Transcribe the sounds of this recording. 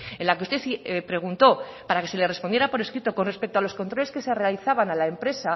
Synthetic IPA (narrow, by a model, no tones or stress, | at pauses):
ẽ̞nlakeust̪e̞θipɾe̞ɣ̞unt̪o̞ | paɾake̞se̞le̞re̞spond̪jeɾapo̞ɾeskɾit̪o̞ko̞nre̞spek̚t̪oalo̞sko̞nt̪ɾole̞ske̞se̞re̞aliθaβanalaempɾe̞sa